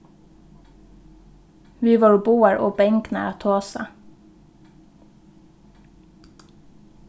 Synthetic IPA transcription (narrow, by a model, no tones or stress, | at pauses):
ʋiːʋoːɹbuːəɹʔo̰ːbɛŋknə̰ɾɑːt̪ʰoːsə̰